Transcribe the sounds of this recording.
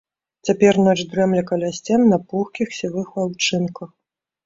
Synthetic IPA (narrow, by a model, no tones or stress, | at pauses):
t͡sʲapʲɛrnɔt͡ʂd̪ɾɛmlʲɐkɐlʲasʲt͡sʲɛmnɐpuxkʲixsʲivɨxvawt͡ʂɨnkɐx